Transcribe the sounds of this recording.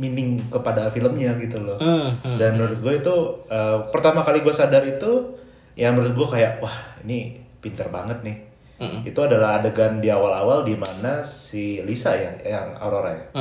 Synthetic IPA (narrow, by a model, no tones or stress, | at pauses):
minɪŋkəpadafiləmɲaɡit̪ulɔdanməɾʊt̪̚ɡuait̪uəpərt̪amakaliɡuasadaɾit̪u | jaŋməɾʊt̪̚ɡuakajaʔwahinipint̪ərbaŋət̪̚nɪh | it̪uadalaɦadaɡandiawala̰waldimanasilisajajaŋa̰ɾoɾa̰ja